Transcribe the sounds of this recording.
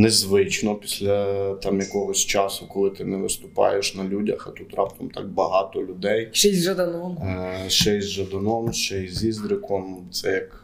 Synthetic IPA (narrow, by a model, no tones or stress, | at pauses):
nezʋɪt͡ʃnɔpʲi̥sʲlʲɐt̪ɑmjɐkɔɦɔsʲt͡ʃɑsʊkɔlˠɪt̪ɪnɛʋɪst̪ʊpɑ̰jeʃnɐlʲudʲɐxɐt̪ut̪ɾɑpt̪ɐmt̪ɑk̚bɐɦɑt̪ɔlʲʊd̪ɛjʃɛzʲʒɐd̪ɐnɔmʃt͡ʃɛjzʒɐd̪ɐnɔmʃt͡ʃɛjzʲizd̪ɾɪkɔmt̪sɛjɐk